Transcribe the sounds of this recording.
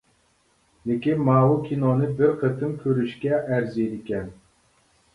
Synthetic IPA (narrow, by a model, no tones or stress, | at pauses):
lɪkʲinmɑːwukʲʰinonɨbɪɾqʰət̪ʰɨmkʲʰøɾyʃkʲɛʔæɾzid̪ɪkʲɛn